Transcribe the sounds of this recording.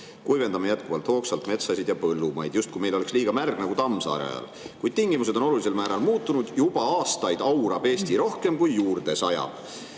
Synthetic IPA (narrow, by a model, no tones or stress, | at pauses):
kujve̞nd̪̥ɑmejæt̪̚kuvɑlt̪ho̞ːksɑlt̪me̞t̪sɑsid̪jɑpɤlːumɑjd̪̥just̪kujme̞jlo̞le̞ksliːɡ̥ɑmærɡ̥nɑɡut̪ɑmsɑ̰ːɾḛɑ̰l | kujd̪̥t̪iŋɡ̥imus̬e̞d̪o̞no̞lulis̬e̞lmæːɾɑlmuːt̪ːˑunud̪̥jub̥ɑɑːst̪ɑjd̪̥ɑwɾɑb̥e̞ːst̪iɾo̞hke̞mkujːuːrd̪̥e̞sɑjɑ̰b̥